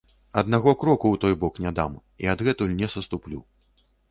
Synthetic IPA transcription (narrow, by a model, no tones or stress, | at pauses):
ɐd̪naɣɔkɾɔkuwt̪ɔjbɔknʲad̪am | ḭɐd̪ɣɛt̪ulʲnʲɛsɐst̪uplʲṵ